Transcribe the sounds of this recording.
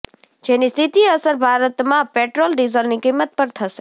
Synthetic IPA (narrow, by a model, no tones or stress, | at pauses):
d͡ʒenist̪ʰit̪iəsəɾbʱaɾət̪mãpeʈɾolɖizəlnikimːət̪̚pəɾt̪ʰəʃe̥